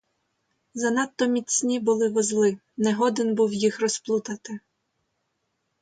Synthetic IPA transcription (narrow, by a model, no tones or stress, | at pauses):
zɐnɑt̪ːɔmʲit͡sʲnʲibʊlˠɪʋɔzlˠɪ | nɛɦɔd̪ɪnbuwjixrɔsplˠut̪ɐt̪ɪ